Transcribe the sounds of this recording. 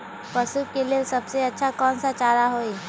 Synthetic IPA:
pəsukeliesɐbseɐtːʃʰakɔːnsat͡ʃaːɾaɦoːi

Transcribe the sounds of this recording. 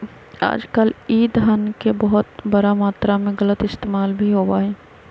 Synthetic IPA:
a̰ːd͡ʒkəliːd̪ɦənkebəɦʊt̪bəɾamaːt̪ɾamẽɣələt̪ɪst̪eːmaːlbʱiɦoːbaːɦɛː

